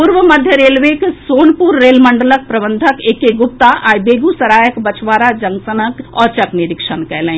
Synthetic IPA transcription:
puɾʋəmɐd̪ʱjəɾeːlʋeːksoːnpuɾːeːlmə̃ɳɖələk̚pɾɐbə̃nd̪ʱəkeːkeɡʊp̚t̪aʔaːjbeːɡusɐɾaːjəkbɐt͡ʃʋaːɾad͡ʒɐ̃ŋɡsənəkɔːɾt͡ʃɐknɪɾɪkʃənkɛːlẽː

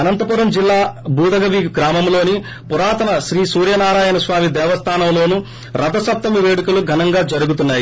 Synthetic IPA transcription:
ɐnɐnt̪ɐpuːɾɐmd͡ʒilːaːbuːd̪ɐɡɐʋiɡɾaːmɐmlo̞ːni | puɾaːt̪ɐnɐʃɾiːsuːɾjɐnaːɾaːjɐnɐsʋaːmid̪ɛːʋɐst̪ʰaːnɐmlo̞ːnu | ɾɐd̪ɐsɐp̚t̪ɐmiʋeːɽukuluɡʱɐnɐŋɡaːd͡ʒɐɾuɡut̪unːaːji

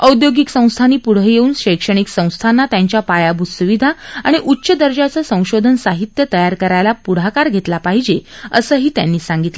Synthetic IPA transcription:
əud̪joɡiksə̃w̃st̪ʰaniːpuɽ̤əjeuːnɕəjkʂəɽ̃iksə̃w̃st̪ʰanːat̪jaɲt͡ɕjapajabʱusuʋid̪ʱaa̰ɽ̃iʔutːɕəd̪əɾd͡ʑat͡səsə̃w̃ɕod̪ʱənsaɦit̪jət̪əjaɾkəɾajlapuɽ̤akaɾɡʱet̪lapaɦid͡ʑeəsəːɦiːt̪ja̰nːiːsaŋɡit̪lə

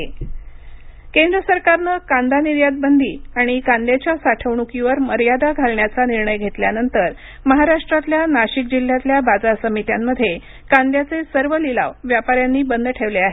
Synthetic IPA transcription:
kend̪ɾəsəɾkaɾnəkãnd̪aniɾjad̪̚bənd̪ʱiːaɽ̃ikãnd̪jat͡ɕjasaʈʰəʋɳukiʋəɾməɾjad̪aɡʱalɳjat͡saniɾɳəjɡʱet̪ljanənt̪əɾ | məɦaɾaʂʈɾat̪ljanaɕik̚d͡ʑil̤ːjat̪ljabad͡zaɾsəmit̪jamːəd̪ʱːje | kand̪jat͡sesəɾʋəlila̰ʋʋjapaɾjanːiːbənd̪ʱəʈʰeʋleaɦee

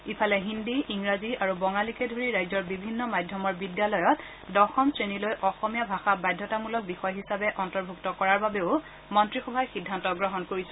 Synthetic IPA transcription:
ipʰalɛɦindiiŋɹaziaɹubɔŋalikɛdʱoɹiɹajzɔɹbibʱinːɔmajdʱjɔmɔɹbidjalɔjɔt | dɔxɔmsɹenilojʔɔxɔmijabʱaxabajdʱjɔtamulɔk̚bixɔjɦisabɛʔɔntɔɹbʱuktɔkɔɹaɹbabeʊ | mɔntɹixɔbʱajxidʱːantɔɡɹɔɦɔnkoɹisɛ̥

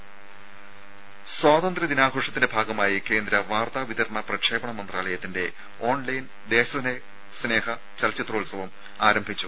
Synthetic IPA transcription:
swaːðɐnd̪rɐd̪inaːɡʱoːʂɐt̪ːindebʱaːɡɐmaːjike̞ːnd̪ɾɐʋaːrt̪aːʋit̪ɐɾɐɳɐprɐkʂe̞ːbɐɳɐmɐnd̪raːlɐjɐt̪ːinde̞ | o̞ːɳlɐjn | d̪e̞ːɕɐɐne | sne̞ːhɐ | t͡ɕɐlt͡ɕːɐt̪roːlsɐʋɐm | aːɾɐmbʱit͡ɕːu̥

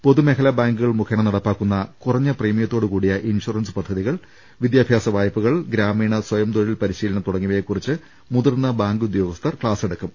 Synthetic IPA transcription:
po̞ðume̞kʰɐlɐbaːŋɡuɣɐɭmukʰɐɳɐnɐɽɐpːaːkːunːɐkurɐɲːɐpriːmijɐt̪ːo̞ːɽɨkuːɽijɐʔinʂurɐnspɐd̪ʱːɐðiɣɐɭ | ʋid̪jaːbʱjaːsɐʋaːjɐpːuɣɐɭɡɾaːmiːɳɐswɐjɐmt̪oɭilpɐɾiɕiːlɐnɐt̪uɽɐŋːuʋɐjekːurit͡ɕːɨ | muðurnːɐbaːŋɡud̪jo̞ːɡɐst̪ʰɐrkɭaːseɽɐkːɐm

